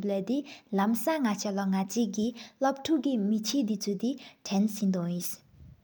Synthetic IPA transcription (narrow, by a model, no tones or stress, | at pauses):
blɛd̪ilamsaŋat͡ɕʰalaŋat͡siʔkilap̚ʈ͡ʂʰuʔkimit͡ɕʰeːʔd̪it͡sʰut̪iʈ͡ʂʰɛnsind̪ɔŋjis